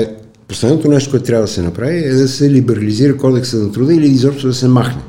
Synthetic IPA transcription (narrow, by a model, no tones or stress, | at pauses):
poslɛd̪not̪onɛʃt̪okoɛt̪t̪ɾʲavəd̪ɐsɛnɐpɾaviɛd̪ɐsɛlibɛɾɐliziɾəkɔd̪ɛksənɐt̪ɾud̪əiliizɔpʃt̪d̪ɐsɛmaxnɛ